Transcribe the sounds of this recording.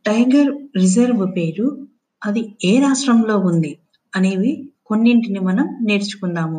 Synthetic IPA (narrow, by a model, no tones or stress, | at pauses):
ʈɐjɡɐɾɾid͡ʒɐɾʋupeːɾu | ɐd̪ieːɾaːʂʈɾɐmlo̞ːund̪i | ɐneːʋiko̞nːiɳʈinimɐnɐmne̞ːɾt͡ʃu̥kundaːmu